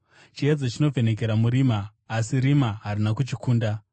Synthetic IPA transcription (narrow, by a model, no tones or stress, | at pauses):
t͡ʃijad͡zot͡ʃino̞vʱe̞ne̞k̬e̞ɾamuɾimaː | siɾimaɦaɾinakut͡ʃikuːnda